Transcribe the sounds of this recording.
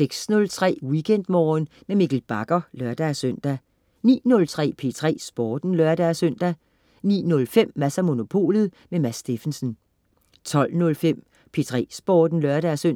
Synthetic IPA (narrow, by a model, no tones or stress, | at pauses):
seɡ̥snɔ̽lt͡sʰʁɛ̰ːwikʰen̰d̥mɒːn | memiɡ̥el̩b̥ɑ̈ɡ̥ɐlɶɐd̥æsœn̰d̥æ | nḭːnɔ̽lt͡sʰʁɛ̰ːpʰe̝ːt͡sʰʁɛ̰ːsb̥ɒːd̥n̩lɶɐd̥æsøn̰d̥æ | nḭːnɔ̽lfem̰mæsæmo̝no̝pʰo̝̰ːlð̞̩ˠ | memæsːd̥e̝fn̩sən | t͡sʰɒ̽l̰nɔ̽lfem̰ | pʰe̝t͡sʰʁɛ̰ːsb̥ɒːd̥n̩lœɐɾ̥æsøn̰